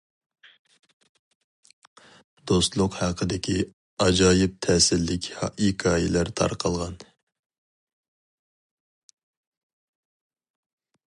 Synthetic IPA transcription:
d̪̥ost̪lˠʊqhɑqʰəd̪ɪkʲʰi | ɑd͡ʒɑːjɪp̚t̪ʰɛːsɪlːɪkʲhɑʔikʰɑːjɪlæɾt̪ʰɑ̰ɾqʰɑlˠʁɑn

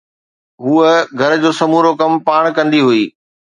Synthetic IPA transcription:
ɦuːəɡʱɐɾd͡ʑoːsɐmuːɾokɐmpaːɽ̃kɐ̃nd̪iɦuiː

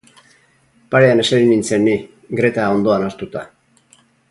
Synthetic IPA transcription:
paɾe̞ane̞seɾinint͡se̞nːi | ɡɾe̞t̪ao̞nd̪o̞anast̪ut̪a

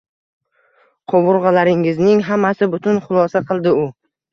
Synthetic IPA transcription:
qʰobʊɾʁɑlaɾɪŋɪznɪŋɦamːasɪbʊt̪ʰʊnχʊlˠɒsaqʰɨlˠd̪ɪʊ

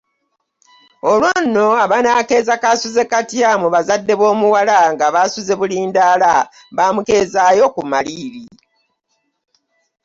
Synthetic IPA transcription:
olwonːo̞aβanaːke̞ːzakasuze̞katjamuβazadːe̞βo̞ːmuwalaŋɡaβasuze̞βuliːndaːla | βaːmuke̞zaːjo̞kumaliɾi

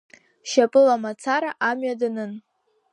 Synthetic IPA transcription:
ʃapʼɨlamat͡sʰaɾaʔamɥadanɨn

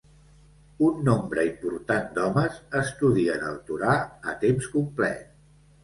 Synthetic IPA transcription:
unːombɾəimpuɾt̪and̪ɔməzəst̪uðiənəlˠt̪uɾaət̪emskumplɛ̰t̪̚

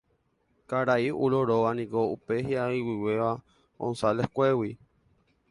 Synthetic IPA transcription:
kaɾaiuɾoɾoʋanĩkoupeɦiaiwiweʋa | õ̰nsalehkʷewi

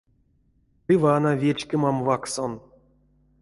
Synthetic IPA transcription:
ivanavʲet͡ɕkʲemamvakson

